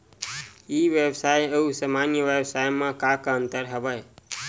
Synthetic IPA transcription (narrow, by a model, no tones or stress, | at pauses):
iʋjebsajəusəmanjəʋjebsajmãkakənt̪əɾɦəbəj